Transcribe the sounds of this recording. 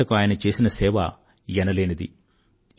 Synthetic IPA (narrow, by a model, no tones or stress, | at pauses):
ɐkuaːjɐnɐt͡ʃe̞ːsinɐsɛːʋɐ̰ | jɛnɐle̞ːnɐd̪ḭ